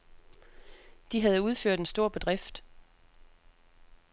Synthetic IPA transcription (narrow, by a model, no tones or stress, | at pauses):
d̥iɦæð̞̩ˠuð̞ˠføɐ̰d̥e̝nsd̥o̝ɐ̰b̥e̝d̥ʁɛfd̥